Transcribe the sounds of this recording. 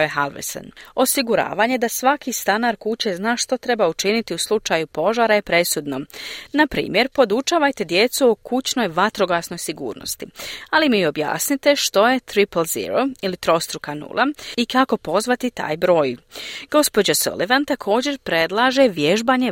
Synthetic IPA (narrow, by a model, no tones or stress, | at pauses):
jeɦalʋḛsa̰no̞siɡuɾa̰ːʋaɲe̞d̪asʋakist̪anaɾkut͡ɕe̞znaːʃt̪o̞t̪ɾe̞baut͡ʃinit̪iuslˠut͡ʃaːjupo̞ʒaːɾaepɾe̞sud̪no̞napɾḭːmje̞ɾpo̞d̪ut͡ʃaːʋajt̪e̞d̪je̞t̪suokut͡ɕno̞jʋat̪ɾo̞ɡasno̞jsiɡṵːɾno̰st̪ialimio̞bja̰ːsnit̪e̞ʃt̪o̞je̞t̪ɾiplzḭɾoilit̪ɾo̞st̪ɾukanṵlˠʔaikako̞po̞zʋat̪it̪a̰ːjbɾo̞ːjɡ̥o̞spo̞d͡ʑaso̰liʋant̪akʰo̞ːd͡ʑe̞ɾpɾe̞d̪lˠaʒeʋje̞ʒbaːɲe